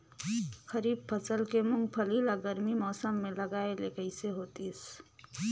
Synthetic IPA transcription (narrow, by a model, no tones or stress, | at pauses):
xʰəɾiːb̚pʰət͡ʃəlkemʊŋɡpʰəlilaɡəɾmimɔːsəmːẽləɡaːelekəɪseɦoːt̪is